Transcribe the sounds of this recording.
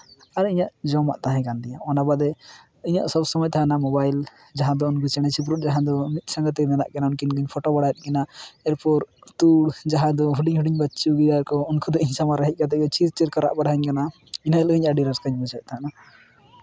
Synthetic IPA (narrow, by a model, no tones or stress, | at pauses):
aɾiɲaʔd͡ʒɔma̰ʔt̪aɦɛ̃kand̪ɛjaʔɔnabad̪ɛ | iɲa̰ʔsɔbsɔmɔjt̪ʰaɦanamɔbajl | d͡ʒaɦãd̪ɔunkʰɔt͡ʃɛɽ̃ɛt͡ʃʰip̬ɾut̪̚d͡ʒaɦãd̪ɔmit̪̚sãŋɡat̪ːɛnɛna̰ʔkanaunkinɡɔɲpʰɔʈɔbaɽajɛt̪̚kɛnaɛɾpɔɾt̪uɽd͡ʒaɦãd̪ɔɦuɖiɲɦuɖiɲbatːt͡ʃuɡijaɾkɔunkʰud̪ɔiɲsamaɾaɦɛc̚ˀkat̪̬ɛɛt͡ʃid͡ʒt͡ʃɛɾkɔɾa̰ʔbaɾɦaɲkana | inaɛlɔiɲaʔɖiɾaɾskaɲbɔt͡ʃʰat̪̚t̪ʰaɦana